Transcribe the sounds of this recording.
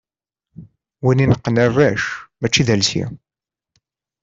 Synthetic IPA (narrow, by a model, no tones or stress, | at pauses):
wininəqːənærːæʃmæt͡ʃːiðælsḭ